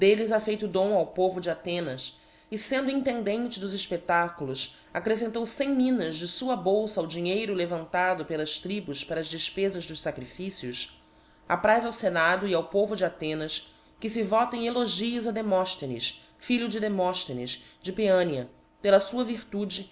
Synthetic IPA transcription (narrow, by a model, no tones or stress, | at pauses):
d̪elɪzafejt̪ʊd̪õw̃awpovʊd͡ʒɪat̪ẽnɐs | ɪsẽnd̪ʊĩnt̪ẽnd̪ẽnt͡ʃɪd̪ʊziʃpet̪akulʊs | akɾes̬ẽnt̪owsẽj̃mĩnɐzd͡ʒɪsuɐbowsɐawd͡ʒiɲejɾʊlevɐ̃nt̪ad̪ʊpelɐʃt̪ɾibʊspaɾɐzd͡ʒɪʃpezɐʒd̪ʊʃsakɾifisiʊs | apɾajzawsenad̪ʊiawpovʊd͡ʒɪat̪ẽnɐs | kɪsɪvɔt̪ẽj̃eloʒiɐzɐd̪emɔʃt̪enɪ̰s | fiʎʊd͡ʒɪd̪emɔʃt̪enɪ̰sd͡ʒɪpeɐ̃niɐ | pelɐsuɐviɾt̪ud͡ʒɪ